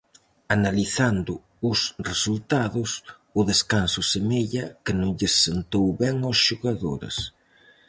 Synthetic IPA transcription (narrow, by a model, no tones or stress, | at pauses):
analiθand̪ʊ | ʊsresult̪aðʊs | ʊðeskansʊsemeʎɐkɪnõŋʎɪsːent̪owβɛŋosʃoɣaðo̰ɾḛs